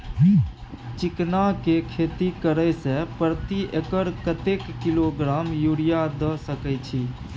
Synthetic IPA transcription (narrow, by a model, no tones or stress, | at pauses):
ɦ | t͡ʃiknakekʰet̪ikəɾəsẽpɾət̪iʔekəɾkət̪ekːiloɡɾamjuɽijad̪əsəkɛjt͡ʃʰi